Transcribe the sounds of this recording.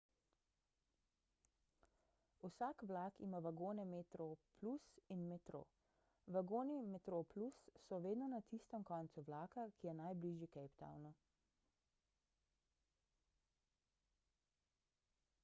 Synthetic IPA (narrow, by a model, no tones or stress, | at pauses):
usaːkʋlaːkimaʋaɡoːnɛmet̪ɾoplusinmɛt̪ɾo̰ | ʋaɡoːnimɛt̪ɾoplusːɔʋeːd̪nɔnat̪ist̪əmkɔːnt̪suʋlaːkakijɛnajbliʒjikɛjpt̪a̰wnɔ